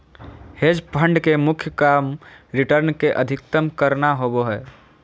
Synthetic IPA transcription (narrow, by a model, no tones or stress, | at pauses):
hed͡ʒpʰəɳɖkemʊkʰjəkamɾiʈəɾnkeʔəd̪ʱɪk̚t̪əmkəɾnaɦoboɦɛː